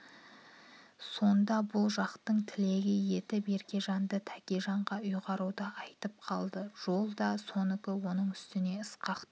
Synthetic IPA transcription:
so̞nd̪ɑbʊlˠʒɑqt̪əɴt̪ʰɪle̞ɡʲɪje̞t̪ɪbe̞ɾkʲe̞ʒɑnd̪ət̪ʰækʲeʒɑɴʁɑʊjʁɑɾud̪ɑɑjt̪əp̚qʰɑlˠd̪əʒ̥o̞lˠd̪ɑso̞nɪkʲɪwo̞nəɴʏst̪ɪne̞ɪsqɑqt̪

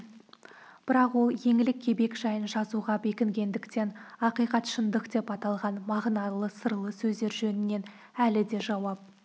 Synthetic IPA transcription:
b̥ɪɾɑqwo̞lˠje̞ŋɪlɪkʲʰːe̞be̞kʒɑjənʒɑzuʁɑbe̞kʲɪŋɡʲe̞nd̪ɪkt̪e̞nɑqijqɑt̪ʃənd̪əqd̪e̞pɑt̪ɑlˠʁɑnmɑʁnɑlˠəsəɾlˠəsɵzd̪e̞ɾʒɵnɪnːe̞n | ælɪd̪e̞ʒɑwɑp̚

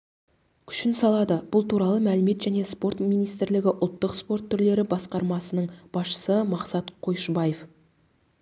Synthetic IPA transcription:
kʲʰʏ̥ʃɪnsɑlˠɑd̪əb̥ʊlˠt̪ʰuɾɑlˠəmælɪme̞t̪ʒæne̞spo̞ɾt̪mijnijst̪ɪɾlɪɡʲɪʔʊlˠt̪ːəqspo̞ɾt̪ʰːʏɾle̞ɾɪbɑsqɑɾmɑsənəɴb̥ɑsʃə̥səmɑqsɑt̪qʰo̞jʃbɑjef

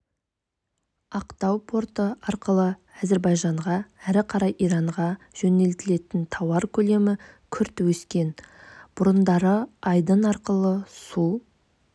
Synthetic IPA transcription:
ɑqt̪ɑwpʰo̞ɾt̪əɑɾqəlˠəæze̞ɾbɑjʒɑɴʁɑæɾɪqʰɑɾɑjʔijɾɑɴʁɑ | ʒ̥ɵne̞lt̪ɪle̞t̪ɪnt̪ʰɑwɑɾkʲʰɵle̞mɪkʲʰʏɾt̪wɵskʲe̞nb̥ʊɾənd̪ɑɾəɑjd̪ənɑɾqəlˠəsu

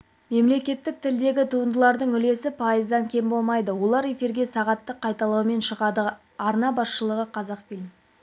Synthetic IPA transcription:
me̞mle̞kʲe̞t̪ːɪk̚t̪ʰɪld̪e̞ɡʲɪt̪ʰuənd̪əlˠɑɾd̪əɴʏle̞sɪpʰɑjəzd̪ɑŋkʲʰe̞mbo̞lˠmɑjd̪əwo̞lˠɑɾe̞fiɾɡʲe̞sɑʁɑt̪ːəqʰːɑjt̪ɑlˠɑwəme̞nʃəʁɑd̪ə | ɑɾnɑbɑsʃəlˠəʁəqʰɑzɑqfilʲm

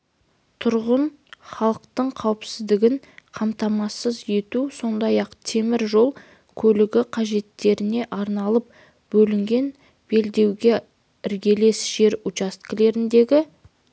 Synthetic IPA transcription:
t̪ʰʊɾʁən | χɑlˠəqt̪əɴqʰɑwəpsɪzd̪ɪɡʲɪɴ | qʰɑmt̪ɑmɑsəzje̞t̪uso̞nd̪ɑjɑqt̪ʰe̞mɪɾʒo̞lˠ | kʲʰɵlɪɡʲɪqʰɑʒe̞t̪ːe̞ɾɪne̞ʔɑɾnɑlˠəp̚ | bɵlɪŋɡʲe̞n | b̥e̞ld̪e̞wɡʲe̞ | ɪɾɡʲe̞le̞sʒ̥e̞ɾʊt͡ʃast̪kʲɪle̞ɾɪnd̪e̞ɡʲɪ

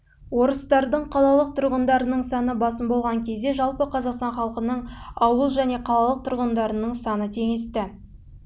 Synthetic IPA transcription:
wo̞ɾəst̪ɑɾd̪əɴqʰɑlˠɑlˠəq̚t̪ʰʊɾʁənd̪ɑɾənəɴsɑnəbɑs̬əmbo̞lˠʁɑŋkʲʰe̞zd̪e̞ʒɑlˠpəqʰɑzɑqst̪ɑɴχɑlˠəqənəɴɑwəlˠʒæne̞qʰɑlˠɑlˠəq̚t̪ʰʊɾʁənd̪ɑɾənəɴsɑnət̪ʰe̞ŋest̪ɪ

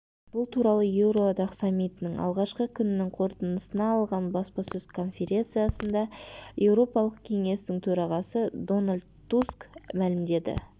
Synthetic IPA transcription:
b̥ʊlˠt̪ʰuɾɑlˠəje̞wɾo̞ɑd̪ɑqsɑmʲːijt̪ɪnɪŋɑ̰lˠʁɑʃqəkʲʰʏnɪnɪŋqʰo̞ɾt̪ənəsənɑːlˠʁɑnbɑspɑsɵzkʰo̞nfʲe̞ɾʲe̞nt̪sɨjasənd̪ɑje̞wɾo̞pɑlˠəq̚kʲʰe̞ŋe̞st̪ɪŋt̪ʰɵɾɑʁɑsəd̪o̞nalʲd̪t̪ʰːuskmælɪmd̪e̞d̪ɪ̰

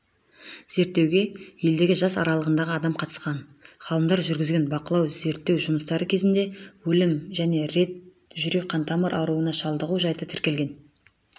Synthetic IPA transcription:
z̥e̞ɾt̪ːe̞wɡʲe̞je̞ld̪e̞ɡʲɪʒɑsɑ̰ɾɑlˠəʁənd̪ɑʁəɑd̪ɑmqʰɑt̪ə̥sqɑnχɑlˠəmd̪ɑɾʒʏɾɡʲɪzɡʲe̞nbɑqəlˠɑwze̞ɾt̪ːewʒʊməst̪ɑɾəkʲʰe̞zɪnd̪e̞wɵlɪmʒæne̞ɾe̞t̪̚ | ʒʏɾe̞k̚qʰɑnt̪ɑməɾʔɑɾuənɑʃɑlˠd̪əʁuʒɑjt̪ət̪ʰɪɾkʲe̞lɡʲe̞n

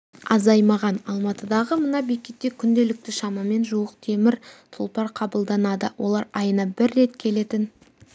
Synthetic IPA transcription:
ɑzɑjmɑʁɑnɑlˠmɑt̪əd̪ɑʁəmənɑbekʲet̪ːe̞kʲʰʏnd̪e̞lɪk̚t̪ɪʃɑmɑme̞nʒuəqt̪ʰe̞mɪɾt̪ʰʊlˠpɑɾqʰɑbəlˠd̪ɑnɑd̪əwʔo̞̰lˠɑɾɑjənɑbɪɾːe̞t̪kʲʰe̞le̞t̪ɪn

